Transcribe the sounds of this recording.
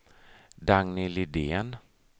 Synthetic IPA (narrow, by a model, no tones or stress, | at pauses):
d̪aŋnɪlɪd̪eːn